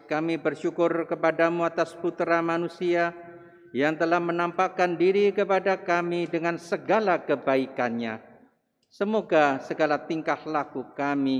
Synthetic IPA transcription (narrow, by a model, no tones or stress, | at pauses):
kamibərʃukʊrkəpadamuat̪asput̪ɾamanusia | jaŋt̪əlahmənampakandiɾikəpadakamidəŋansəɡalakəbaikanɲa | səmoɡasəɡalat̪iŋkahlakukami